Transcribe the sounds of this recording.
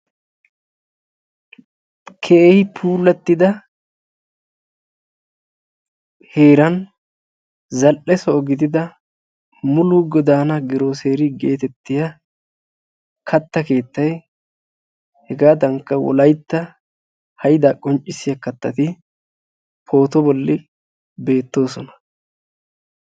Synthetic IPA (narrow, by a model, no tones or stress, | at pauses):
kʰehɪpʰuːlːɐt̪ːɪd̪ɐ | he̞ːɾɐn | zɐlʔɛsɔɔɡɪd̪ɪd̪ɐ | mʊluɡɔd̪aːnɐɡɪɾo̞ːse̞ːɾɪɡe̞ːt̪ɛt̪ːɪjɐ | kʰɐt̪ːɐke̞ːt̪ːɐj | hɛɡaːd̪ɐŋkːɐwɔ̰lɐjt̪ːɐ | hɐjɪd̪aːkʼɔnt͡ʃʼːɪsɪjɐkɐt̪ːɐt̪ɪ | pʰo̞ːt̪ɔbɔlːɪ | be̞ːt̪ːo̞ːsɔnɐ̥